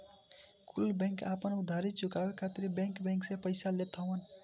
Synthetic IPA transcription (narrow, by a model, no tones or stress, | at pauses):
kulbɛ̃ŋkapənud̪ʱaɾit̪̚t͡ʃukawekʰat̪iɾibɛ̃ŋkbɛ̃ŋksẽpəjsalet̪ʰəwən